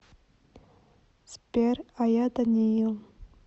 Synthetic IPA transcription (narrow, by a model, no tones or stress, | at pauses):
spʲerajad̪anijil